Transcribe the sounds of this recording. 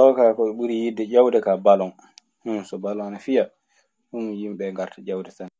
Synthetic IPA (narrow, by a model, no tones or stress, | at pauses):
tɔkakɔɛɓuɾijidːɛd͡ʒawdɛkabalɔn | husɔbalɔŋnafija | humjimɓɛŋɡaɾtad͡ʒawdɛtan